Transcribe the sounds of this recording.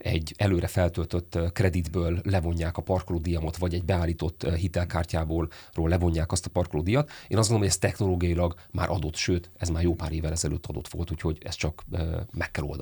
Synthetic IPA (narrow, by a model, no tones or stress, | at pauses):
ɛ̰ɟːɛløːɾɛfɛlt̪ølt̪øt̪ːkrɛd̪id̪bøːlːɛvo̞ɲːaːkɒpɒrklod̪ijɒmɒt̪vɒɟɛɟbɛaːlːiːt̪o̞t̪ːɦit̪ɛlkaːrcaːboːl | roːlːɛvo̞ɲːaːkɒst̪ɒpɒrkloːd̪ijɒt̪eːnɒzɡoomoɟɛst̪ɛxnoloːɡijɒjilɒɡ | ma̰ːɾʔɒd̪o̞t̪ʃøːt̪ɛzmaːrjoːpaːɾeːvːɛlɛzɛlø̰ːt̪ːɒd̪o̞t̪ʋo̞̰lt̪ucho̞ɟɛ̰st͡ʃɒkømɛkːɛlo̰d̪ɒ̰